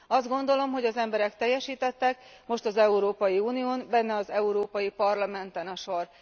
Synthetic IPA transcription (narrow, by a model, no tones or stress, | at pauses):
ɒzd̪ɡo̞n̪d̪o̞lo̞mɦo̞ɟɒzɛmbɛɾɛkt̪ɛjːɛʃiːt̪ɛt̪ːɛk̚mo̞ʃt̪ɒzɛuɾoːpɒjiuːnioːnbɛnːɛɒzɛuɾoːpɒjipɒrlɒmɛnt̪ɛnɒʃo̞r